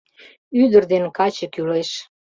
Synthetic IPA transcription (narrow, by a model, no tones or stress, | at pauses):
yd̪ərd̪enkɑt͡ɕəkyleʃ